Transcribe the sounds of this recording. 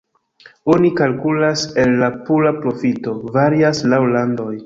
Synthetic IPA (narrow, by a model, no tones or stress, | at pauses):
o̞nikalkulase̞lːapulapɾo̞fito̞vaɾiaslawlando̞j